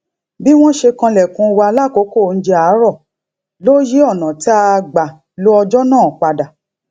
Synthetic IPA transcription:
bi˦w̃ɔ̃˦ʃe˧kã˧lɛ˨kũ˧wa˧la˦˨ko˨˦ko˦˨n̩˦d͡ʒe˧a˨˦ɾɔ˦˨ | lo˦ji˦ɔ˦˨nã˨ti˦a˧ɡ͡ba˨ | lo˦ɔ˧d͡ʒɔ˦nãː˦˨k͡pa˧da˨

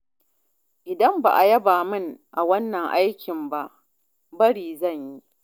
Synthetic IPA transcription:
ʔɪ˨dɐ˦mba̰ː˨ʔa˨jɐ˦baː˨mɪ˦ŋʔa˨wɐ˦nːɐ˨ŋʔa˦jkʲʰɪ˨mba˦ʔ | bɐ˦ɽiː˨zɐ˦˨ɲji˦ʔ

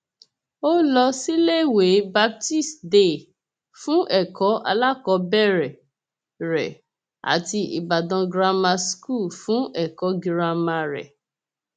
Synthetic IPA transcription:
o˦lɔ˧si˦le˦˨we˨˦ba˦b̚ti˦˨sde˦˨ | fũ˦ʔɛ˦˨kɔ˨˦ʔa̰˧la˦kɔ˧˦bɛ˦˨ɾɛ˨ | ɾɛ̰˨ | a̰˨ti˧i˨ba˨dɔ̃˨˧ɡɾa˧ma˧sku˦˨fũ˦ɛ˦˨kɔ˨˦ɡi˧ɾa˧mã˧ɾɛ̰˨

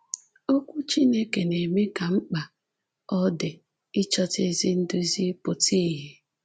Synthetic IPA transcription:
o˦kʷu˦t͡ʃi˦ne˦ke˨ne˨me˦ka˨ŋ͡m̩˦k͡pa˨ | ɔ˦dɪ˨ | ɪ˦t͡ʃɔ˦te˦zi˦n̩˦dʊ˦i˦zi˦pʊ˨ti˦ɦe˦

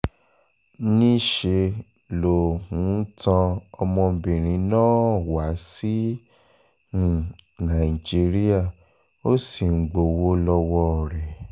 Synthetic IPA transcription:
nĩ˦ʃe˧ | lo˨hũ˨˦n̩˦tã˧ɔ˧mɔ̃˧bĩ˨ɾ̃ĩ˨˦nãː˦˨wa˨˦si˦˨ | nã˨i˨d͡ʒi˨˦ɾi˦a˦˨ | o˦si˨ŋ̩˨ɡ͡bo˨wo˦lɔ˧wɔ˦˨ɾɛ˨

